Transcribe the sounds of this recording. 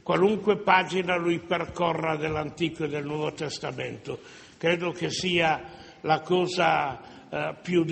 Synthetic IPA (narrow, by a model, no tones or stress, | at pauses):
kwaluŋkwepaːd͡ʒinaluiperkɔrːad̪elːant̪iːkoed̪ːelnwɔːvot̪est̪ament̪o | kɾeːd̪ok̟esiːa | lakɔːza | pjud̪